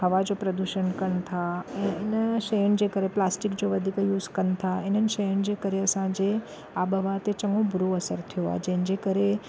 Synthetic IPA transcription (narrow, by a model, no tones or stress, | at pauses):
ɦəʋad͡ʑopɾəd̪uʃənkən̆t̪ʰaɛ̃ɪnəʃəjənd͡ʑekəɾeplaːsʈɪkd͡ʒoʋəd̪ʱikjuːzkənt̪ʰaɪnənɪ̆ʃəjən̆d͡ʑekəɾeɐsãd͡ʑe | abəʋat̪et͡ʃəŋɡõbʱʊɾoɐsəɾt̪ʰijoa̰d͡ʒẽɦn̆d͡ʑekəɾe